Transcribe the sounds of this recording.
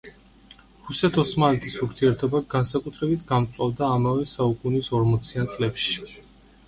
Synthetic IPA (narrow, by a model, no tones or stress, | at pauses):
husɛt̪ʰɔsmalɛt̪ʼisuɾt̪ʰiɛɾt̪ʰɔbaɡansakʼut̪ʰɾɛbit̪ʰɡamt̪sʼavd̪aːmavɛsaukʼunisɔɾmɔt̪sʰiant̪sʼlɛpʃi̥